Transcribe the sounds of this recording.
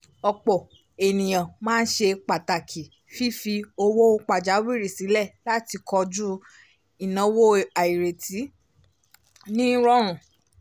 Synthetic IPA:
ɔ˧k͡pɔ˨ | e˨nĩ˨j̃ã˨mãː˦n̩˦ʃe˧k͡pa˨ta˨kʰi˨ | fi˦fi˧o˧wo˦k͡pa˨d͡ʒa˨˦wi˦˨ɾi˦˨si˨˦lɛ˦˨la˦ti˧kʰɔ˧d͡ʒu˦ | i˨nã˨˦wo˦a˨i˨ɾe˨ti˨˦ | nĩ˦ɾɔ˦ɾ̃ũ˨

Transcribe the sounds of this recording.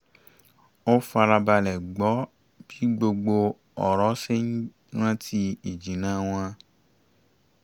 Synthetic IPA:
o˦fa˧ɾa˧ba˧lɛ˨ɡ͡bɔ˨˦ | b̥i˨˦ɡ͡bo˧ɡ͡bo˧ | ɔ˨ɾɔ˨˦se˦ɲ̩̃˦ | ɾã˦tʰi˧i˨d͡ʒĩ˨nã˨˦w̃ã˧

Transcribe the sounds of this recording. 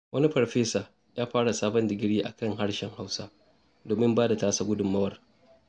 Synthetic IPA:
wʔɐ˦ni˦ɸɐ˨ɸeː˦saː˨ | jaː˦ɸaː˦ɽa˨saː˦bɐ˦ndɪ˨ɡʲɪ˦ɽjiː˦ʔa̰˨kɐ˦˨ŋɦa˦ɽʃɛ˨ŋha˦wsa˦ | doː˨mɪ˦mbaː˦da˨taː˦sa˨ɡʷʊ˦dʊ˨mːɐ˦wɐ˨r

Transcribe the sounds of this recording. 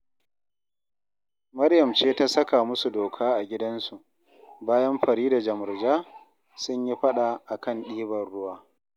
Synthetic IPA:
mɐ˦rjɐ˨mt͡ʃeː˦ta˦sɐ˦ka˨mʊ˦su˨doː˨kʰaː˦ʔa˨ɡʲɪ˦dɐ˦nsu˨ʔ | baː˦jɐ˦mɸɐ˨ɽiː˦da˨d͡ʒɐ˨mʊ˨rd͡ʒaː˦ | sʊ˦ɲji˦ɸɐ˦ɗa˨ʔa˨kɐ˦˨nɗiː˦bɐ˨rɽʊ˦waː˦

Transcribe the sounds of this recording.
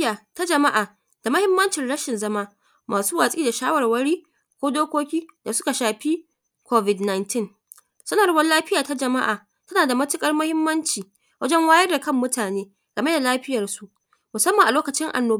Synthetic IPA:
jaː˨ta˦d͡ʒɐ˨ma˦ʔaː˨ | d̥a˨mɐ˦hɪ˦mːɐ˦nt͡ʃɪ˨nɽɐ˦ʃɪ˨nzɐ˦maː˦ | maː˨suː˦waː˨sʼiː˦da˨ʃaː˦wɐ˨rwɐ˦ɽiː˦ | kʷoː˦doː˦kʷoː˦kʲiː˦da˨sʊ˦ka˨ʃaː˨ɸi˦ | kʷo˦vɪ˨dna˨jntɪ˦˨ŋ | sʊ˦na˨ɽbɐ˦nlaː˦ɸɪ˦jaː˨ta˦d͡ʒɐ˨ma̰˦ʔaː˨ | tɐ˦naː˨da˨mɐ˦tɪ˦kʼɐ˦rmɐ˦hɪ˦mːɐ˦nt͡ʃiː˨ | wɐ˦d͡ʒɛ˦ŋwaː˦jɐ˦rda˨kɐ˦mːʊ˦taː˨neː˦ | ɡ̥ɐ˨me˦da˨laː˦ɸɪ˦jɐ˨rsu˨ʔ | mʊ˨sɐ˦mːɐ˨ŋʔa˨loː˦kɐ˨t͡ʃɪ˦ŋʔa̰˨nːoː˨˦

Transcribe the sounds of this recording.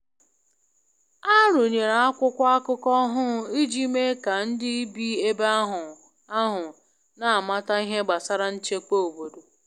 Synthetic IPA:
a˦ɾʊ˨ɲe˨ɾa˨a˦kʷʊ˦kʷa˦kʊ˦kɔ˦ɦʊ˦i˦d͡ʒi˦me˦ka˨n̩˦dɪ˦i˦bi˦e˦ba˦ɦʊ˨ | a˦ɦʊ˨ | na˨a˨ma˦ta˦i˦ɦe˦ɡ͡ba˨sa˦ɾa˦n̩˦t͡ʃe˦k͡po˦o˨bo˨do˨

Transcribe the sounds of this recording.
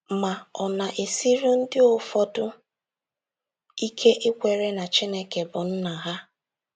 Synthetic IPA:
ma˨ɔ˨na˨ʔe˨si˦ɾʊ˦n̩˦dɪ˦o˨fɔ˦dʊ˦ | i˦kʰe˦ʔɪ˦kʷe˨ɾe˦na˨t͡ʃe˦ne˦ke˨bʊ˨n̩˦na˨ɦa˦

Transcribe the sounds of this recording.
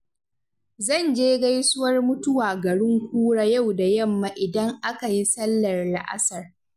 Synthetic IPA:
zɐ˦˨nd͡ʒeː˦ɡa˦jsʊ˦wɐ˦rmʊ˦tʊ˦waː˨ɡɐ˨ɽɪ˦ŋkʷuː˦ɽaː˦ja˦˨wda˨jɐ˦mːa˨ʔɪ˨dɐ˦ŋʔa˦ka˨ji˦sɐ˦lːɐ˨rla̰˦˨ʔa̰˦sɐ˨r

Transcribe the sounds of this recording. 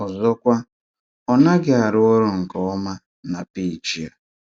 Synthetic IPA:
ɔ˨zɔ˦kʷa˦ | ɔ˦na˦ɡɪ˨a˨ɾʊ˦ɔ˦ɾʊ˨ŋ̩˨kɔ˨ɔ˦ma˦ | na˨pi˨t͡ʃi˨a˨

